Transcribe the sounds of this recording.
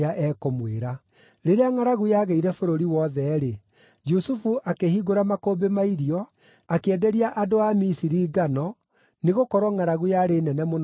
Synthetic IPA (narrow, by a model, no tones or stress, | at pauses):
aʔɛkomweɾa | ɾeɾeaŋaɾaɣujaːɣeiɾɛfoɾoɾiwɔðɛɾe | d͡ʒusufuʔakehiɣoɾamakobemaiɾiɔ | akeɛdɛɾiaʔadoamisiɾiːɡanɔ | neɣokɔɾwɔŋaɾaɣujaɾenɛnɛmon